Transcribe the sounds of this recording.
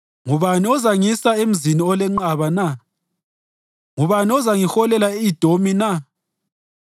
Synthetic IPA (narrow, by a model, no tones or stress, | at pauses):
ŋuβaniɔzaŋisaem̩ziniɔlɛŋ͡ǃaβana | ŋuβaniɔzaŋixɔlɛlaeid̥ʱomina